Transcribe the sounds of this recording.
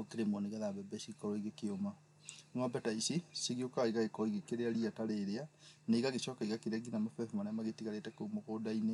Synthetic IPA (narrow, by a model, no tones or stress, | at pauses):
okeɾemɔneɣɛðabɛbɛsikɔɾɔiɣekeoma | nwabɛtaisisiɣiokaiɣaɣekɔɾɔiɣekeɾeaɾiataɾeːɾeanaiɣaɣeʃɔːkaiɣakeɾeaɡinamafɛfmanɛamaɣetiɣaɾetɛkomɔkodaine